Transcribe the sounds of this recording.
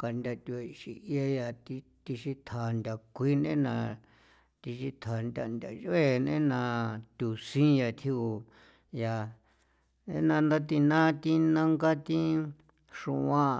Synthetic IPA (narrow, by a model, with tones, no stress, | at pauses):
ka˧nd̪ʲa˧t̪u˧a˧ʃi˧ʔja˧ja˧t̪i˧ | t̪i˧ʃi˧t̪ʰa˨nd̪ʲa˨kʷi˦nẽ˦nã˧ | t̪i˧ʃi˧t̪ʰa˨nd̪ʲa˧˨nd̪ʲa˨ʒe˦˧nḛ̃˦nã˧t̪ʲu˨sĩ˦ja˧t̪ʰi˧u˨ | ja˨ | e˦nã˧nd̪a˦t̪i˧nã˦t̪i˦nã˦ŋɡa˦t̪ĩ˦ | ʂṵ̃˧ʔã˦˧